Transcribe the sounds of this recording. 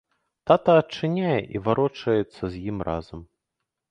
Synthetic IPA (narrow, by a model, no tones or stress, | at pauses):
t̪at̪ɐɐt͡ʂːɨnʲajɛʔivaɾɔt͡ʂɐjɛt̪sːɐzʲjimrʔazɐm